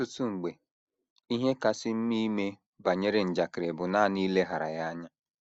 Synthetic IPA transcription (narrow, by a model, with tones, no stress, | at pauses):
u˦tu˦ŋ͡m̩˨ɡ͡be˨ | i˦ɦe˦ka˨sɪ˦m̩˦mi˦me˦ | ba˨ɲe˦ɾe˨n̩˨d͡ʒa˨kɪ˨ɾe˨bʊ˨na˦˨niː˦le˦ɦa˨ɾa̰˨ja˦ɲa˦